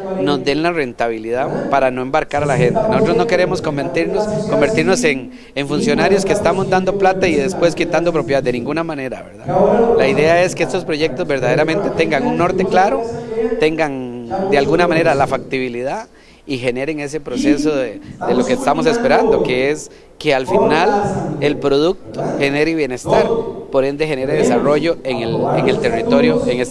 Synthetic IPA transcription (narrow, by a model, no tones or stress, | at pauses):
no̞zd̪e̞nlare̞nt̪aβiliðapaɾano̞e̞mbaɾkaɾalaxe̞nt̪enosot̪ɾozno̞keɾe̞mosko̞mbeɾt̪iɾnosko̞mbe̞ɾt̪iɾnose̞ŋ | eɱfunsjo̞naɾjo̞skeːst̪amozd̪and̪o̞plat̪aiðe̞spwe̞skit̪and̪op̬ɾo̞pjead̪enĩŋɡunamane̞ɾa̰βeɾða̰laiðe̞ae̞skeest̪o̞spɾo̞ʝe̞k̚t̪ozbe̞ɾd̪að̞eɾamẽ̞nt̪e̞t̪e̞ŋɡaŋuŋno̞ɾt̪e̞klaɾot̪e̞ŋɡaŋd̪ealɡunamane̞ɾalafak̚t̪iβilið̞a | ixe̞ne̞ɾeŋe̞s̬e̞pɾo̞se̞soðed̪elo̞kest̪amos̬e̞spe̞ɾand̪oke̞es | kealfinale̞lpɾo̞ð̞uk̚t̪oxe̞ne̞ɾiβje̞ne̞st̪aɾpo̞ɾe̞nd̪e̞xe̞ne̞ɾeðesaro̞ʝo̞eŋeleŋe̞lt̪e̞rit̪o̞ɾjoeŋes